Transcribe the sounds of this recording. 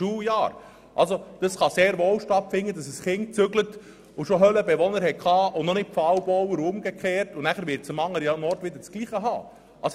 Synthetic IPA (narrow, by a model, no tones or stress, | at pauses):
uːjɑːɾ | ʔɑ̰lsod̥ɑsχɑseːɾʋoːlʃtɑtfɪnːəd̥ɑsəsχɪnt͡sʏɡlət | ʊʃoɦœləbɛʋɔnəɾhɛtkʰχɑːʊnɔnɪtfɑwbɔwəɾʊmɡ̥ekχeːɾtʊnæχəɾʋɪɾtt͡səmɑŋːəɾjɑnɔrtʋɪd̪əɾt͡skliːχəɦɑ̰ː | ɑs